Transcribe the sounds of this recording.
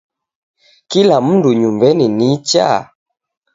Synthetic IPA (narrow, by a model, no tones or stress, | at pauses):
kilam̩nduɲumbɛninit͡ʃa̰